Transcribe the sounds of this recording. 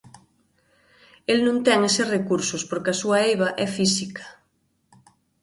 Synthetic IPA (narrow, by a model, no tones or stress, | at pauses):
elnũŋt̪ɛŋeserekuɾsospoɾkeasuaejβaʔɛfisikʰḁ